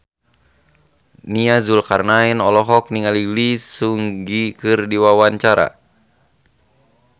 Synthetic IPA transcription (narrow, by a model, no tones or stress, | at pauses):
niazulkarnainɔlɔɦɔk̚niŋalilisuŋɡikɨrdiwawaɲt͡ʃaɾa̰